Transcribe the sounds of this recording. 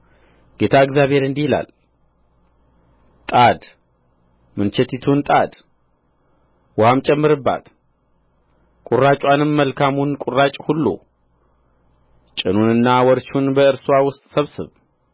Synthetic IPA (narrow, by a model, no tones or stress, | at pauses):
ɡ̥e̞t̪ʰaɨɡzjaβhe̞ɾɨnd̪ihila̰l | t̪ʼad̪ | mɨnt͡ʃɛt̪ʰit̪ʰunt̪ʼad̪ | wamt͡ʃʼɛmːɨɾɨbːa̰t̪ | kʼurːat͡ʃʼwanɨmːəlkʰamunkʼurːat͡ʃʼhulːṵ | t͡ʃʼɨnunɨnːawɔɾt͡ʃunbəɨɾswawʊst̪ʼsəβsɨ̰β